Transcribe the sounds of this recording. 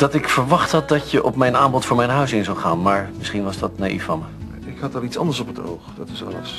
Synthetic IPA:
d̥ɑtɪkfəɹʋɑχtɦɑt̚dɑtjəʔɔpmɛjnaːmbɔtfʊːɹmɛjnɦœɥsɪnzawχa̰ːnmaːɹmɪsχinʋɑzdɑtnaʔḭfːɑnmə | ɪkhɑtɑlˠitsɑ̰ndəɹsɔpəto̰wχd̥ɑtɪsɑ̰lə̰s

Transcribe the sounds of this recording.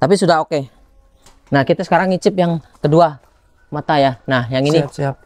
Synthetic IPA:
t̪apisudaɦoke | nahkit̪asə̥kaɾaŋit͡ʃɪp̚jaŋkədua | mat̪ajanahjaŋini

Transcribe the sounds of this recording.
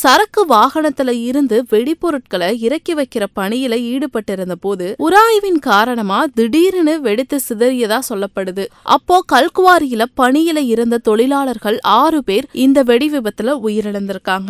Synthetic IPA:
sɐɾɐkːɯʋaːɣɐɳɐt̪ːɪlɐɪɾɯnd̪ɯʋɛɽɪpːɔɾɯʈ̚kɐɭɐɪɾɐkːiʋɐɪkːɪɾɐpɐɳɪjɪlɐiːɽɯpɐʈːɪɾɯnd̪ɐpoːðɯʊɾaːjɐʋɪnkaːɾɐɳɐmaːd̪ɪɽiːɾɪnɯʋɛɽɪt̪ːɯsɪðɐɾɪjɐðãːsɔlːɐpːɐɽɯðɯʔɐ̰pːoːkɐlkɯʋaːɾɪjɪlɐpɐɳɪjɪlɐɪɾɯnd̪ɐt̪ɔɭɪlaːɭɐɾɣɐɭaːrɯpeːɾɪnd̪ɐʋɛɽɪʋɪbɐt̪ːɪlɐʊjɪɾɐnɐnd̪ɪɾɯkːaːŋɡɐ

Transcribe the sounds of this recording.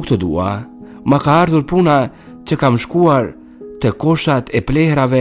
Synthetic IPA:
kt̪ɔd̪ṵa̰ | makaaɾðuɾpuna | t͡ɕəkamʃkuaɾ | t̪əkɔʃat̪ʰɛplɛhɾavɛ

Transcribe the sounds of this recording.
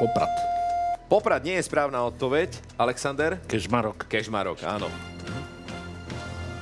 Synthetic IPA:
pɔpɾa̰t̪pɔpɾad̪ɲɪɛjɛspɾaːʊnaːɔt̪̚pɔʋɛc | alɛksand̪ɛɾkɛʒmaɾɔkkɛʒmaɾɔ̰ka̰ːnɔ̰

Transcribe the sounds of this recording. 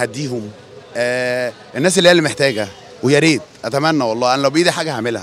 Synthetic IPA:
æd̪ːiːhomː | ʔenːæːs̬elːiːælːemeħt̪æːɡæ | wejæɾiːd̪ʔæt̪æmænːæwɑlˤːɑːʔænælæwbejiːd̪iħaːɡæhamelhæ̰

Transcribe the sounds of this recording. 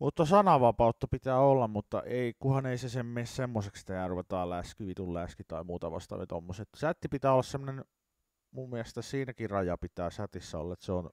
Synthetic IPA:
mut̪ːɑsɑnɑʋɑpɑut̪ːɑpit̪æːolːɑmmut̪ːɑ̰ʔeikuhɑneisesemːessemːosekst̪æjæːruʋet̪ɑːllæskiʋit̪ullæskit̪ɑimuːt̪ɑ̰ʋɑ̰st̪ɑ̰ʋḭt̪o̰mːoset̪sæt̪ːipit̪æːolːɑssemːonen | mummiæst̪æssiːnækirɑjɑpit̪æːsæt̪isːæo̰lːɑet̪seon

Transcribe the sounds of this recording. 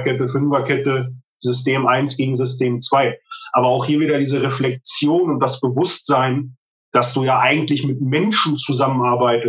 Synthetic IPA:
kʰɛtəfʏnvɐkʰɛtə | z̥ʏsteːmʔaɪnsɡ̥eːɡŋ̩zʏstʰeːmt͡sv̥aɪʔaːbɐaʊxhiːɐviːɾɐdiːzəʁɛflɛk̚t͡sjoːnʊnt̚d̥asb̥əvʊstz̥aɪn | d̥asd̥uːjaːʔaɪɡŋ̩tlɪçmɪt̚mɛnʃn̩t͡suzamənaɐbaɪtə

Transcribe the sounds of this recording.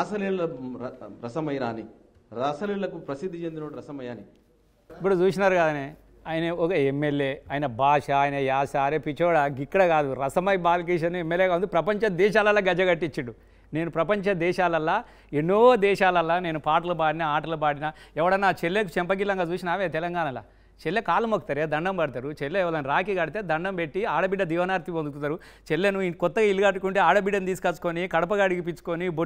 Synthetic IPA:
ɾaːsɐliːlɐɐɾɐsɐmɐjɾa̰ːni | ɾaːsɐliːlɐkupɾɐsid̪ʱːit͡ʃend̪inɐɽɾɐsɐmɐjaːni | ipːuɽut͡ʃuːsinaːɾuɡaːd̪ɐne | aːjinɐɔkɐemːeljeːɐːjinɐbʱaːʂɐːjnɐjaːsaːɾeːpit͡ʃɔːɽɐɡikːɐɽɐkaːd̪uɾɐsɐmɐjbaːlk̬eːʃ̬ɐnuemːeljeːɡaːund̪ipɾɐpɐɲt͡ʃɐd̪ɛːʃaːlɐlːaːɡɐd͡ʒɐɡɐʈːit͡ʃːiɖu | ne̞ːnupɾɐpɐɲt͡ʃɐd̪ɛːʃaːlɐlːaː | enːod̪ɛːʃaːlɐlːaːne̞ːnupaːʈɐlɐbaːɽinɐaːʈɐlɐbaːɽinɐɛʋɐɽɐnːaːt͡ʃelːekut͡ʃɛmpɐɡilːɐŋɡaːt͡ʃuːsinɐaːʋet̪ɛlɐŋɡaːnɐla̰ː | t͡ʃelːekaːlɐmokːɐt̪ɐɾeːd̪ɐɳɖɐmbɐɽit̪aːɾut͡ʃelːeɛʋɐlɐnɾaːkiɡɐɽit̪e̞ːd̪ɐɳɖɐmbeʈːiaːɽɐbiɖːɐd̪iːʋɐnaːɾt̪ipond̪ukut̪ːɐːɾu | t͡ʃelːenukɔt̪ːɐɡailːɐɡɐʈːukuɳʈeːaːɽɐbiɖːɐnut̪iːsukɐt͡ʃːu̥konikɐɽɐp̬ɐɡɐːɽiɡip̬it͡ʃu̥konibo

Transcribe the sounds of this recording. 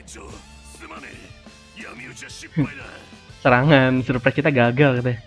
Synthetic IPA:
səɾaŋansurpɾɛskit̪aɡaɡalkat̪ɛ

